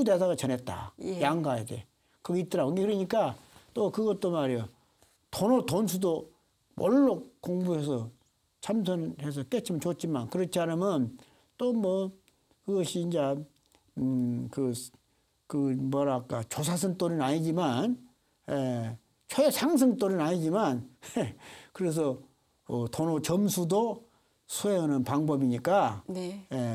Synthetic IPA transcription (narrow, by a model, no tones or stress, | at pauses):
udes̬ʰaɣat͡ɕʌne̞t̚t͈a̰jaŋɡajede̞̰ | kɯɡeit͈ɯɾaoiŋɡekɯɾʌɲik͈at͈okɯɡʌt͈omaɾo | tʰonotonsʰudo | mʔoɭːokoŋbuɦesʰʌ | t͡ɕʰamsʰʌnhe̞s̬ʰʌk͈et͡ɕʰimʌnt͡ɕot͡ɕ͈imankɯɾʌt͡ɕʰiaɾɯmɯn | tomwʌ | kɯɡʌɕʰiːnd͡ʑe | kɯ | kɯmʌɾak͈at͡ɕosʰas̬ʰɯŋt͈oɾinaɲid͡ʑiman | je | t͡ɕʰoesʰaŋs̬ʰɯŋt͈oɾinaɲid͡ʑimanekɯɾe̞s̬ʰʌ | ʌtʰonot͡ɕʌmsʰudo | sʰoeɯnɯnpaŋbʌbiɲik͈aje